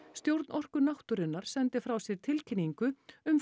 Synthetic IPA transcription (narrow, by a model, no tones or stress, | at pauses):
st̪jowɾt̪nɔr̥kʏnaht̪ʏɾɪnːaɾ̥sɛnt̪ɪfɾawsjɛɾ̥t̪ʰɪlcʰɪnːiŋkʏʏm